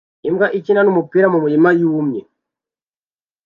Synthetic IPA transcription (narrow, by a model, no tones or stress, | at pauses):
imɡaʔicinanumupiːɾamumuɾimajumɲe